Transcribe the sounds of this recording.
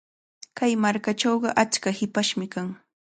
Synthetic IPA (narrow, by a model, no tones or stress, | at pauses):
kajmaɾkaʈ͡ʂowɢɑʔat͡ʃkahɪpaʃmɪkaŋ